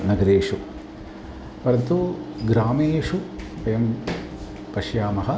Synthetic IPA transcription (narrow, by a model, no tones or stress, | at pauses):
nɐɡɐɾeːʂu | ʋɐɾt̪uɡɾaːmeːʂupɐjɐm | pɐʃjaːmɐɦɐ